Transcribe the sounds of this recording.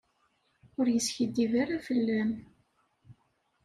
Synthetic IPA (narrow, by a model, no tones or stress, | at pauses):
ʊɾjəsçəd̪ːivaɾafəlːæm